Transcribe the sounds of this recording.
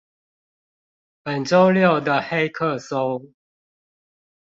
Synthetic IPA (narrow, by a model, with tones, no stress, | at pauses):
pə˨˩nʈ͡ʂo˦ʊljo˥˨ʊd̪ə˨xe˦ɪkʰə˥˨so˥ʊ